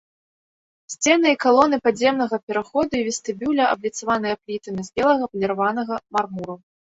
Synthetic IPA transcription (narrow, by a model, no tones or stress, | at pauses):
sʲt͡sʲɛnɨikalˠɔnɨpad͡zʲɛmnɐɣɐpʲɛɾaxɔd̪uivʲɛst̪ɨbʲulʲɐʔɐ̰blʲit̪savan̪ɨjɐplʲit̪ɐmʲizbʲɛlˠɐɣɐpɐlʲɛɾavanɐɣɐmarmuɾu